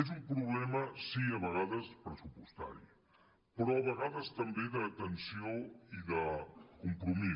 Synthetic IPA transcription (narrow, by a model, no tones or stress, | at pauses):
ezumpɾuβlɛməsiəβəɣ̞aðəspɾəsupust̪a̰ɾḭ | pɾɔəβəɣaðəst̪əmbeðəːt̪ənsioiðəkumpɾumi